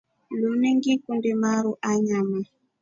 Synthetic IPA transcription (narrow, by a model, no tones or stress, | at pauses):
luneŋɡikundemaɾuʔaɲama